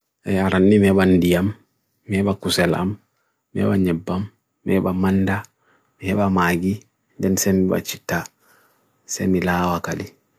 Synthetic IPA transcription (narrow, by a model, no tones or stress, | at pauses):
ʔɛaɾanːimɛbandijamː | ɛbakusɛla̰mː | ɛ̰baɲɛbːamː | ɛ̰bamanda | mihɛbamaɡi | dɛnsɛmiba̰t͡ʃitːa | sɛ̰milaːwakali